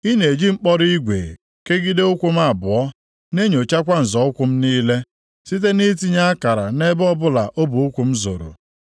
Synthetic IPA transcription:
i˦ne˨d͡ʒi˦ŋ͡m̩˦k͡pɔ˦ɾi˦ɡʷḛ˨ | ke˦ɡi˦de˦ʊ˦kʷu˦m̩˦a˨bʊ˨ɔ˦ | ne˦ɲo˨t͡ʃa˦kʷa˦n̩˨zɔ˨ʊ˦kʷʊ˦m̩˦niː˦le˦ | si˦t̬e˦ni˦ti˦ɲa˦a˦ka˨ɾa˨ne˦bɔ˦bʊ˦la˨ʔo˦bu˨u˦kʷu˨m̩˦zo̰˨ɾo̰˨

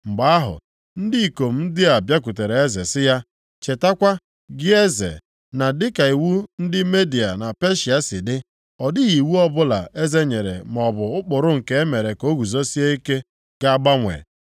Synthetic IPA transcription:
ŋ͡m̩˨ɡ͡ba˨a˦ɦʊ̰˨ | n̩˦dɪ˦i˨ko˨m̩˦n̩˦dɪ˦a˨bja˦ku˨te˨ɾe˨e˦ze˨sɪ˦ja˦ | t͡ʃe˨ta˦kʷa˦ | ɡɪ˦e˦zḛ˨ | na˨dɪ˦ka˨i˨wu˦n̩˦dɪ˦me˦di˨a˨na˨pe˦ʃi˨a˦sɪ˨dɪ˦ | ɔ˨dɪ˦ɣi˨wu˦ɔ˦bʊ˦la̰˨ʔe˦ze˦ɲe˨ɾḛ˨m˨ɔ˨bʊ˨ʊ˦k͡pʊ˨ɾʊ˦ŋ̩˨ke˦e˦me˨ɾe˨ko˨˦ɡu˨zo˦si˦e˦i˦ke˦ | ɡ̥a˦a˦ɡ͡ba˦ŋʷḛ˨

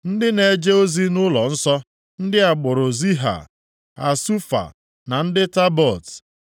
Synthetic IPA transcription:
n̩˦dɪ˦ne˨d͡ʒe˦o˦zi˦nʊ˦lɔ˨n̩˦sɔ˦ | n̩˦dɪ˦a˨ɡ͡bʊ˨ɾʊ˨zi˦ɦa̰˨ | a̰˨su˦fa̰˨ | na˨n̩˦dɪ˦ta˦bɔ˨t

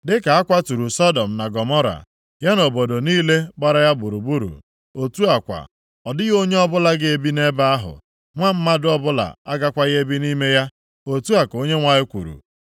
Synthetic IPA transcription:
dɪ˦ka˨a˦kʷa˦tu˨ɾu˨sɔ˦dɔ˨m̩˨na˨ɡɔ˨mɔ˦ɾa̰˨ | ja˦no˨bo˨do˨niː˦le˦ɡ͡ba˦ɾa˦ja˦bu˨ɾu˨bu˦ɾṵ˨ | o˨tu˦a˨kʷa̰˨ | ɔ˨dɪ˦ɣo˦ɲe˦ɔ˦bʊ˦la˦ɡɪ˦e˨bi˦ne˦ba˦a˦ɦʊ̰˨ | ŋʷa˦m̩˦ma˦dʊ˦ɔ˦bʊ˦la̰˨a˦ɡa˦kʷa˦ɣe˦bi˦ni˦me˦ja˦ | o˨tu˦a˨ko˦ɲe˦ŋʷa˨ɪ˦kʷṵ˨ɾṵ˨

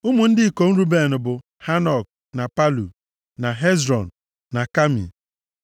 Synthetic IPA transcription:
ʊ˦mu˨n̩˦dɪ˦˨ko˨n̩˦ɾu˦be˨nʊ˨bʊ˨ | ha˦nɔ˨k̚ | na˨pa˦lu˨ | na˨ɦe˦zɾɔ˨n̩˨ | na˨ka˦mḭ˨

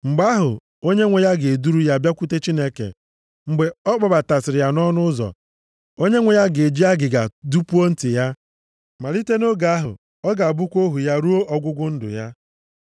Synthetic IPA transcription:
ŋ͡m̩˨ɡ͡ba˦ɦʊ̰˨ | o˦ɲe˦ŋʷe˨ja˦ɡe˨du˦ɾu˦ja˦˨bja˦kʷu˦te˦t͡ʃi˦ne˦kḛ˨ | ŋ͡m̩˨ɡ͡be˨ɔ˦k͡pa˨ba˨ta˨sɪ˨ɾɪ˨ja˨nɔ˦nʊ˦zɔ̰˨ | o˦ɲe˦ŋʷe˨ja˦ɡe˨d͡ʒi˦a˦ɡɪ˨ɡa̰˨du˦pu˦o˦n̩˦tɪ˨ja˦ | ma˨li˦te˦no˦ɡa˨˦ɦʊ̰˨ | ɔ˦ɡa˨a˨bʊ˦kʷo˦ɦu˨ja˦ɾu˦o˦ʔɔ˨ɡʷʊ˦ɡʷʊ˦n̩˦dʊ̰˨ja˦

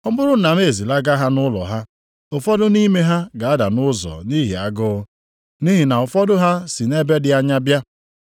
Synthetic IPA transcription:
ɔ˦bʊ˦ɾʊ˦na˨m˦e˨zi˨la˦ɡa˦ɦa˦nʊ˦lɔ̰˨ɦa˦ | ʊ˨fɔ˦dʊ˦ni˦me˦ɦa˦ɡa˨a˦da˨nʊ˦zɔ̰˨ni˦ɦḭ˨a̰˦ɡʊ˦ʊ˦ | ni˦ɦi˨na˨ʊ˨fɔ˦dʊ˦ɦa˦si˨ne˦be˦dɪ˦a˦ɲa˦bja˦

